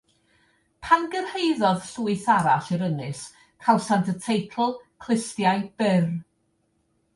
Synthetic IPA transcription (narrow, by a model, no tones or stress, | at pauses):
pʰanɡərheɨðɔðɬuɨθaɾaɬiɾənɨs | kʰawˠsantʰətʰejkʰl̩ˠkʰl̥ˠɪstjajb̥ɪr